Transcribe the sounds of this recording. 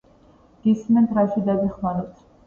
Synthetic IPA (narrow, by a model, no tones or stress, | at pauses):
ɡ̥ismɛnt̪ʰɾaʃid̪aɡiχmaɾɔt̪ʰ